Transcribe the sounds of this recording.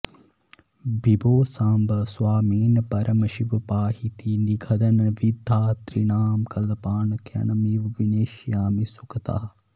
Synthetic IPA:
bʱiboːsaːmbɐswaːmiːnpɐɾʔɐmɐʃiʋpaːhit̪iniɡʱɐd̪ɐnɐʋid̪ʱːaːt̪ɾinaːmkɐlpaːnkʰjɐ̰nɐmiʋʋineːʃjaːmisukʰɐt̪a̰ː

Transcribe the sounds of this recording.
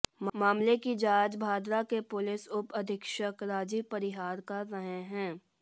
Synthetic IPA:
maːmlekid͡ʒaːd͡ʒbʱaːd̪ɾakepʊlɪsʊpɐd̪ʱɪkʃəkɾaːd͡ʒipɐɾɪɦaːɾkaɾɐɦə̃ɦɛ̃ː

